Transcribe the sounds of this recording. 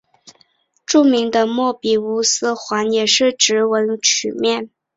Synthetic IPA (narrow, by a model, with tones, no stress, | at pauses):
ʈ͡ʂu˥˩mi˧˥ŋd̪ə˧mwɔ˥˩pi˨˩u˧˥sɹ̩˥xwa˧˥njɛ˨˩ʂɻ̩˥˩ʈ͡ʂɻ̩˧˥wə˧˥nt͡ɕʰy˨˩mjɛ˥˩n